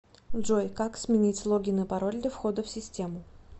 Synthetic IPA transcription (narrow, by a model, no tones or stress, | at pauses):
ʐojkaksmʲɪnʲitʲslˠo̞ɡʲɪnɨpɐɾolʲd̪ʲəfxo̞d̪əfsʲɪsʲtʲe̞mʊ